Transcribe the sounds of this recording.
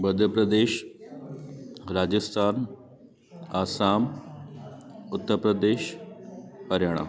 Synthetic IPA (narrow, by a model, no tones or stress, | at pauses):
bəd̪ʱɾəpɾəd̪eːʃ | ɾaːd͡ʑəst̪ʰaːn | aːsaːm | ʊt̪ːəɾpɾəd̪eːʃ | pɐɾjaːɳ̃a̰ː